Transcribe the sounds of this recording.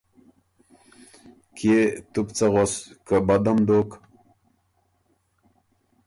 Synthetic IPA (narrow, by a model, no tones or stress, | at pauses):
kʰet̪upt͡saʁoskəbad̪amd̪ok